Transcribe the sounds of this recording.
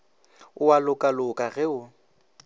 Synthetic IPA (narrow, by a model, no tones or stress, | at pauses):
ʊwalʊkʼalʊkʼaɣɛʊ